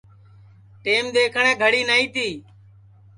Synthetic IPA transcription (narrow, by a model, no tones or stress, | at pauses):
ʈeːmd̪eːkʰɳɛ̃ːɡʱəɽiːnəĩːt̪iː